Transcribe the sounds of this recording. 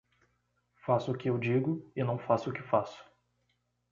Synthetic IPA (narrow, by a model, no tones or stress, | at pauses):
fasʊʊkɪewd͡ʒiɡʊɪnɐ̃w̃fasʊʊkɪfasʊ̥